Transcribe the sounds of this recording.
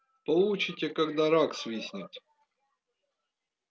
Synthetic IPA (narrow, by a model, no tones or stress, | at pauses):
pɐlˠut͡ɕɪtʲekakd̪aɾaksvʲisʲnʲit̪ʲ